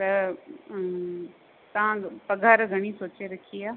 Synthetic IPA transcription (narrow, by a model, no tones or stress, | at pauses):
t̪ɐ | t̪ɐʋãpɐɡʱaːɾɡʱɐɽ̃isoːt͡ɕeɾɐkʰiaː